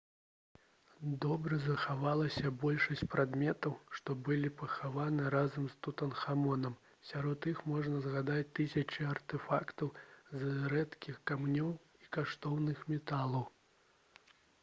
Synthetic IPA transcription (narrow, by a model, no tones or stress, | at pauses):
d̪ɔbɾɐzɐxavalˠɐsʲɐbɔlʲʂɐsʲt͡sʲpɾad̪mʲɛt̪ɐwʂt̪ɔbɨlʲipɐxavanɨɾazɐmst̪ut̪ɐnxamɔnɐm | sʲaɾɔt̪ixmɔʐnɐzɣad̪at͡sʲt̪ɨsʲɐt͡ʂiɐrt̪ɛfakt̪ɐwzɾɛt̪kʲixkamnʲɔw | ikaʂt̪ɔwnɨxmʲɛt̪alˠɐw